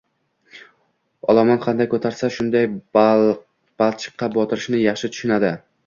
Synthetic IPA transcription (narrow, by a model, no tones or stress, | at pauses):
ɒ̰lˠɒmɑnqʰɑnd̪ajkʰɵt̪ʰaɾsaʃʊnd̪aj | b̥alˠt͡ʃʰɨ̥qʰːɑbɒt̪ʰɪɾɪ̥ʃnɪjɑχʃɪt̪ʰʊ̥ʃʊnad̪ɪ